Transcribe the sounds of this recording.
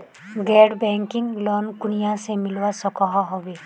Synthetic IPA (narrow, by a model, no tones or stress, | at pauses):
ɡɛɖbɛŋkiŋlɔnkunijasemiluwasɔkɔɦɔɦɔbe